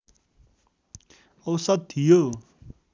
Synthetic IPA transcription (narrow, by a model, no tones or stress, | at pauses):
ʌwsʌd̪̚t̪ʰijo